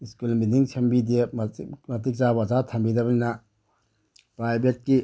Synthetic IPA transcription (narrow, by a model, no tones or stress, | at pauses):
iskulmidiŋsʰembidemmɐtik̚zabazatʰɐmbidɐbɐninɐ | pɾajbʱet̚ki